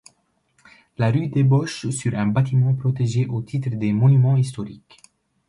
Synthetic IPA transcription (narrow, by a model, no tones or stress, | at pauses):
laʁyd̪ebɔʃsyʁɛ̃bat̪imɑ̃pχɔt̪eʒeʔot̪ʰit̪χəd̪emɔnymɑ̃ist̪ɔʁḭk